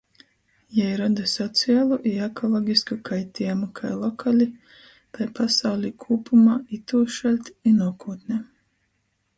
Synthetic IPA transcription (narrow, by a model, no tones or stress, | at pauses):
jajɾad̪asɔt̪siaːlˠuʔiakɔlˠɔɡʲiskakʰajt̪imakʰajlˠɔkʰalʲi | t̪ajpasawlʲiːkʰuːpumaːit̪uːʃalʲt̪inuɔkuːt̪ne